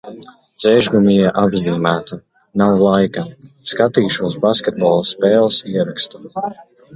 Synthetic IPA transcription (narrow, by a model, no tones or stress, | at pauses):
d̪z̥ɛːʒɡumijiɛʔabzʲiːmæːt̪a | nawlˠajkɐskat̪iːʃuɔsbaskʲet̪̚bɔlˠspɛːlˠsiɛɾakst̪u̥